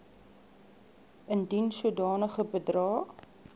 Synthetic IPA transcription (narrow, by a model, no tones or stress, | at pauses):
əndinsuədɑːnəχəbədrɑː